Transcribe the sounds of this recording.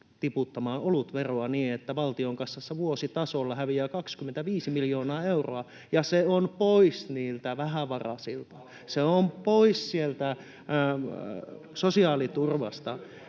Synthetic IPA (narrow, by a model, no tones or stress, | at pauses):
t̪iput̪ːɑmɑːʔolut̪ʋeroɑniːet̪ːæʋɑlt̪ioŋkɑsːɑsːeʋuosit̪ɑsolːɑhæʋiæːkɑkskymːent̪æʋiːsimiljoːnɑːeuro̰ɑ | jɑseonpoisniːlt̪æʋæhæʋɑrɑ̰silt̪ɑ | seompoissielt̪æ | sosiɑːlit̪urʋɑ̰st̪ɑ